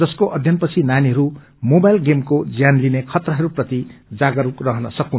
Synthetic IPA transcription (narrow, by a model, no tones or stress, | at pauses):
ʌskoʔʌd̪ʱjʌnpʌt͡sʰinaniɦʌɾu | mobajlɡemkod͡zjanlinekʰʌt̪rʌɦʌɾuprʌt̪id͡zaɡʌɾurʌɦʌnʌsʌkun